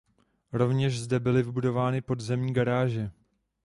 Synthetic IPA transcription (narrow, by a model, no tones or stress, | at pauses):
ɾo̞vɲɛʃzdɛbɪlɪvɪbudo̞vaːnɪpo̞dzɛmɲiːɡaɾaːʒɛ